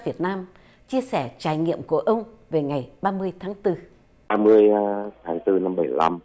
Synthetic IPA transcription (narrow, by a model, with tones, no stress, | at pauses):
vi˨˩ət̚naː˧m | t͡ɕi˧əsɛ˧˩t͡ɕaː˨˩jŋḭ˧˨əmku˧˩əʔə˧wŋ͡m | ve˨˩ŋa˨˩jɓaː˧mɨ˧əjt̪ʰaː˨˦ŋt̪ɨ˧ | ɓaː˧mɨ˧əjt̪ʰaː˨˦ŋt̪ɨ˧na˧mɓə˧˩jla˧m